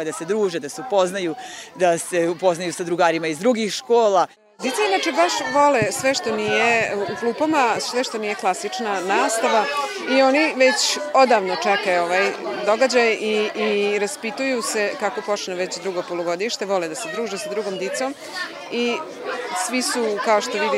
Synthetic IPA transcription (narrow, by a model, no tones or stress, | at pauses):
d̪ased̪ɾuːʒed̪aseupo̞znajud̪aseupo̞znajusad̪ɾuɡaːɾimaizd̪ɾuɡixʃkoːla | d̪it̪sainat͡ʃebaʃʋo̞lesʋe̞ʃt̪o̞nijeuklˠuːpomasʋeʃt̪o̞nije̞klˠasit͡ʂnanaːst̪aʋa | io̞niʋet͡ɕo̞d̪aʋnot͡ʂekajoʋajd̪o̞ɡad͡ʑajiiɾaspit̪ujuse̞kako̞po̞t͡ʃneʋe̞t͡ɕd̪ɾuɡo̞polˠoɡo̞d̪iʃt̪e̞ʋo̞led̪ase̞d̪ɾuːʒesad̪ɾuɡomd̪it̪som | i | sʋisukaoʃt̪o̞ʋid̪i